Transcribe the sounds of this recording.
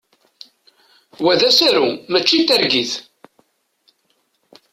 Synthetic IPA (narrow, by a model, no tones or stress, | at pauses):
wæðæsæɾumæt͡ʃːit̪ːæɾɡiθ